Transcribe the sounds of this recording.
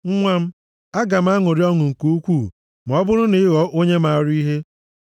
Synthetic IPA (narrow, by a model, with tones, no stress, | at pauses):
ŋ̩˦ŋʷa˦m̩˦ | a˦ɡa˨m̩˦a˦ŋʊ˨ɾi˦ɔ˦ŋʊ˨ŋ̩˨ko˦kʷuː˦˨ | m˨ɔ˦bʊ˦ɾʊ˦ne˦ɣɔ˨ʔo˦ɲe˦ma˨ɾʊ˦i˦ɦe˦